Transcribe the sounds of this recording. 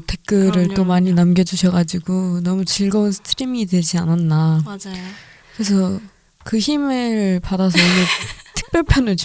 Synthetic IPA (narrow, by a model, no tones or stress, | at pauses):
tʰek̚k͈ɯɾɯɭt͈omaɲinamɡʲjʌd͡ʑuɕʰʌɡad͡ʑiɡonʌmut͡ɕiɭɡʌunsʰɯ̥tʰɯɾimidwe̞d͡ʑiananːa | kɯɾesʰʌ | kɯçimɯɭpadas̬ʰʌiɡetʰɯ̥k̚p͈jʌɭpʰjʌnɯ